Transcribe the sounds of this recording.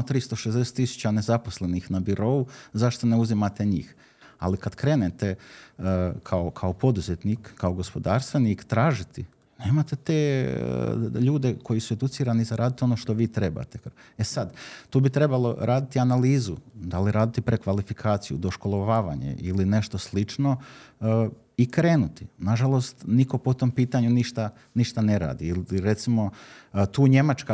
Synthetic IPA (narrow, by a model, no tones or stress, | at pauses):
ot̪ɾist̪o̞ʃezd̪eset̪ːisu̥t͡ɕane̞zaposle̞nixnabiɾo̞ːuzaʃt̪one̞uzimat̪e̞ɲḭːx | a̰likad̪kɾe̞ːnet̪e̞ | kʰaokʰaopo̞d̪uzet̪niːkːaoɡo̞spo̞d̪aːɾst̪ʋeniːkt̪ɾaːʒit̪i | neːmat̪e̞t̪ḛː | ʎuːd̪e̞ko̞jisue̞d̪ut̪siːɾanizaɾʔaːd̪it̪io̞noʃt̪o̞ʋiːt̪ɾe̞ba̰ːt̪ee̞sad̪t̪uːbit̪ɾe̞balˠo̞̰ɾaːd̪it̪ianaliːzud̪aliɾaːd̪it̪ipɾekʋalifikʰaːt̪sijṵd̪o̞ʃko̞lˠoʋaːʋaɲḛʔiline̞ʃt̪oslit͡ʃno̞ | ikɾe̞ːnut̪inaʒalˠost̪niko̞pot̪o̞mpiːt̪aɲuniʃt̪a | niʃt̪aneɾa̰ːd̪iiliɾe̞t̪simo̞t̪uːɲe̞mat͡ʃka